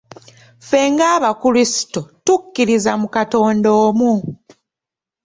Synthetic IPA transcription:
fe̞ŋɡaːβakulisi̥totukːiɾizamukato̞ːndo̞ːmu

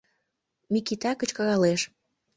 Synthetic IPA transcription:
mikit̪ɑkə̆t͡ɕkɑɣɑleʃ

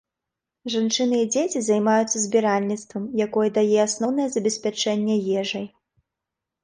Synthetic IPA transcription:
ʐant͡ʂɨnɨid͡zʲet͡sʲizajmajut̪sːɐzʲbʲɛɾalʲnʲit̪st̪vɐmjakɔjɛd̪ajɛasnɔwnɐjɛzɐbʲɛsʲpʲat͡ʂɛnʲːɛjɛʐɐj

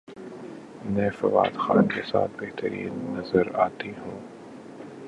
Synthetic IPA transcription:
mɛ̃ːfɐʋa̰ːd̪xaːnkesa̰ːt̪̚ʰbeɦt̪əɾḭːnːɐzəɾaːt̪iɦũː

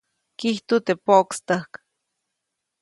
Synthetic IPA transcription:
kiht̪ot̪epoʔkst̪ahk

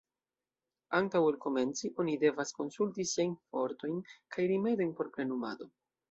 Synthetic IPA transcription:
antawelko̞me̞nt͡siʔo̞nide̞vasko̞nsultisiajnfo̞ɾto̞jnkajɾime̞do̞jnpo̞ɾpɾe̞numa̰do̞

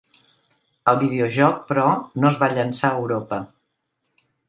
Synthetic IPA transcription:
əlˠβið̞eoʒɔk̚pɾɔnozβaʎənsaəwɾopə

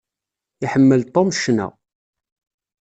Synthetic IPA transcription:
iħəmːəlt̪ˤomʃnæ̰

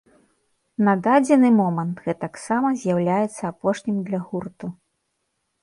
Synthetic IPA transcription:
nɐd̪ad͡zʲɛnɨmɔmɐnt̪ɣɛt̪aksamɐzʲjawlʲajɛt̪sːɐːpɔʂnʲimd̪lʲɐɣurt̪u

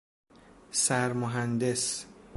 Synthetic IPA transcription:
sæɾmoɦænd̪es

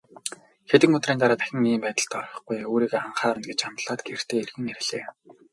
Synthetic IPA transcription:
xet̪ɘ̆ŋɵt̪riːnt̪aɾaːt̪æ̥xʲɪ̆ŋiːmpæːt̪ə̆ɬt̪ɔrɞ̆χɡujoːɾiːɣeːaɴχaːɾə̆nɡet͡ɕamt̪ɮaːt̪ɡer̥t̪ʰeːerɣɘ̆ŋerɮḛː

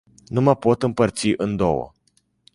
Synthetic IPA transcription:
numəpo̞t̪ɨmpərt̪siʔɨnd̪owə̰

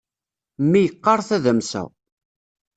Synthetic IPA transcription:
mːijəqːɑɾˤθæðəmsæ̰

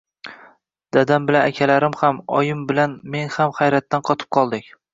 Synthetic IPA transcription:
d̪̥ad̪ambɪlanakʲʰalaɾɪmhamɒjɪmbɪlanme̞ŋhamχajɾat̪ːanqʰɒt̪ʰɪ̥p̚qʰɒlˠd̪ɪkʲ

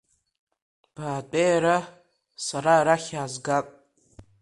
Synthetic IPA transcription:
b̥aːtʼejaɾa | saɾaɾaχʲaːzɡapʼ

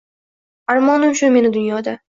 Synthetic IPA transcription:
aɾmɒnɪmʃʊnme̞nɪd̪ʊnjɒd̪a

